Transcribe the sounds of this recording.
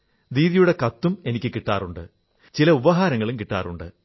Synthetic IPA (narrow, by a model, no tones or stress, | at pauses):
ɾiːðijuɽe̞kɐt̪ːume̞nikʲːɨkiʈːa̰ːruɳɖɨ̰ | t͡ɕilɐubɐɦaːɾɐŋːɐɭumkiʈːa̰ːruɳɖɨ